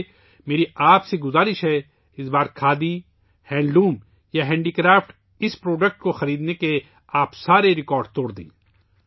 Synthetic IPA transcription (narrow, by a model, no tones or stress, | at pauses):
meːɾiaːpseɡʊzaːɾɪʃɦɛ | ɪsbaːɾkʰaːd̪i | hɛ̃ːɳɖlũːm | jaɦɛ̃ːɳɖiːkɾaːfʈ | ɪspɾoːɖək̚ʈ̚koxɐɾiːd̪neke | aːpsaːɾeɾɪkɔːɾɖt̪oːɽd̪ḭ̃ː